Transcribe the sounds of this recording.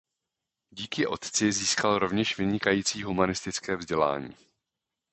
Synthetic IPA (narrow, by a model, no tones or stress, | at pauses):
ɟiːkɪʔo̞t̪t͡sɪziːskalɾo̞vɲɛʃvɪɲɪkajiːt͡siːɦumanɪst̪ɪt͡skɛːvzɟɛla̰ːɲḭː